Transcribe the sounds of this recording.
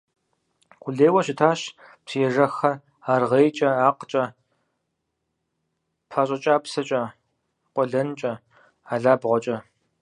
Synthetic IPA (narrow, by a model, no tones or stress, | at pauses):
qʷʊɮeːwɐɕɪtʰaːɕpsijɛʐɐxɐ | aːrʁejt͡ʃʼɐaːqət͡ʃʼɐ | pʰɐɕʼɐt͡ʃʼaːpsɐt͡ʃʼɐ | qʷʼɔɮɐnt͡ʃʼɐ | aːɮaːbʁʷɔt͡ʃʼɐ